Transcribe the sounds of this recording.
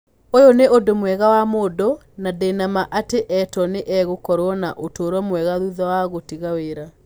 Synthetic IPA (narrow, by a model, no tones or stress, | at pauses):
ojoneʔodomwɛɣawamodɔ | nadɛnamaʔateʔɛtɔneʔɛɣokɔɾwɔnaʔotoːɾwɔmwɛɣaðuðawaɣotiɣaweɾa